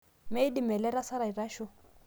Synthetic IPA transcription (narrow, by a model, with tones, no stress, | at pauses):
me˦di˦mɛ˨lɛ˦ɾa˦sa˦ɾa˨i˨ra˦ʃɔ˦